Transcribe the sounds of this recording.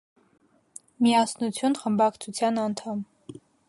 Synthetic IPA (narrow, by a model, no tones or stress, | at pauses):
miɑsnut͡sʰjunχəmbɑkt͡sʰut͡sʰjɑnɑnt̪ʰɑm